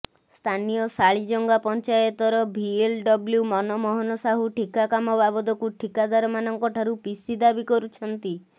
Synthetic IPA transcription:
st̪ʰanijɔsaɭid͡ʒɔŋɡapɔnt͡ʃajɔt̪ɔɾɔbʱielɖɔbljumɔnɔmɔɦɔnɔsaɦuʈʰikakamɔbabɔd̪ɔkuʈʰikad̪aɾɔmanɔŋkɔʈʰaɾupisid̪abikɔɾut͡ʃʰɔnt̪i

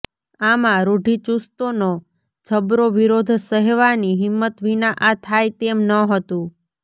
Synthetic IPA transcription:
amãɾoɖʱit͡ʃust̪ono | t͡ʃʰəbɾoʋiɾod̪ʱsəɦɛʋaniɦɪmːət̪ʋinaʔat̪ʰajt̪emnəɦət̪ũ

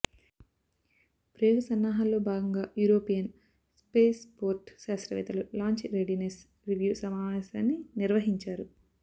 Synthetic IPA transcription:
pɾɐoɡɐsɐnːaːɦaːllo̞ːbʱaːɡɐŋɡaːjuːɾo̞ːpijɐn | spe̞ːspoːɾʈʃaːsɾɐʋɛ̰ːt̪ɐlulaːɲt͡ʃiɾeɖines | ɾiʋjuːsɐmaːʋɛːsaːnːiniɾʋɐɦiɲt͡ʃaːɾu

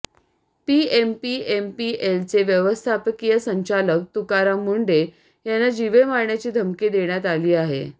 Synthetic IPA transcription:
piempiempielt͡seʋjəʋəst̪ʰapəkijəsəɲt͡ɕalək̚t̪ukaɾamuɳɖe | janːad͡ʑiʋemaɾɳjat͡ɕiːd̪ʱəmkiːd̪eɳjat̪aliːaɦḛ

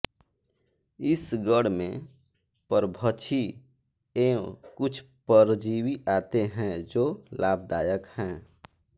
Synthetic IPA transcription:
ɪsɡəɽmḛ̃ | pəɾbʱət͡ʃʰi | eːkʊt͡ʃʰ | pəɾd͡ʒiːwiʔaːt̪eɦɛ̃d͡ʒoːlaːb̚d̪aːjəkhɛ̃ː

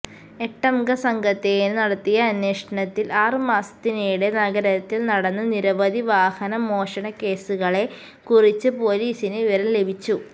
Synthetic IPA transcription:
e̞ʈːɐmɡɐsɐŋɡɐt̪ːejinnɐɽɐt̪ːijɐːnweːʂɐɳɐt̪ːilʔaːrɨmaːsɐ̥t̪inejuɽe̞nɐɣɐɾɐɐt̪ːilnɐɽɐnːɐniɾɐʋɐd̪ʱiʋaːhɐnɐmo̞ːʂɐɳɐke̞ːsuɣɐɭe̞ | kurit͡ɕːɨpo̞ːliːsinɨiʋɐɾɐmle̞bʱit͡ɕːu

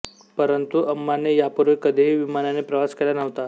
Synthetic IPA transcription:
pəɾənt̪uʔəmːanejapuɾʋekəd̪ʱeɦiʋimananepɾəʋaskelanəʋt̪a

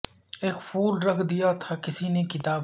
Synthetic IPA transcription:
eːkpʰuːlɾɐkʰd̪ijat̪ʰakɪsinekɪt̪aːb

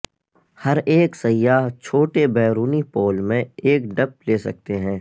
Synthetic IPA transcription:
hɐɾeːksɐjːaːɦt͡ʃʰoːʈebɛːɾuːnipoːlmẽeːkɖɐp̚leːsɐ̰k̚t̪eɦɛ̃ː

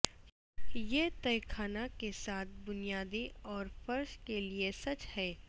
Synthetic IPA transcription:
jeːt̪ɐjkʰaːnakesaːt̪̚ʰbʊnijaːd̪iɔːɾfɐɾʃkeliesɐt͡ʃhɛː

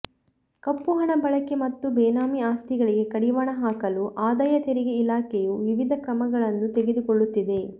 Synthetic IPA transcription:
kɐpːuɦɐɳɐbɐɭɐkemɐt̪ːubɛːnaːmiaːst̪iɡɐɭiɡe̞kɐɽiʋaːɳɐɦaːkɐluʔaːd̪aːjɐt̪eɾiɡe̞ilaːkejuʋiʋid̪ʱɐkɾɐmɐɡɐɭɐnːut̪eɡe̞d̪ukɔɭːut̪ːid̪e̞

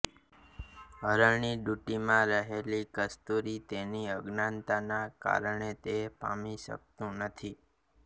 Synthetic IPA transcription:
ɦəɾəɳiɖuʈimãɾəɦelikəst̪uɾit̪eniəɡnant̪anaka̰ɾəɳet̪epa̰miʃə̰k̚t̪ũnət̪ʰi

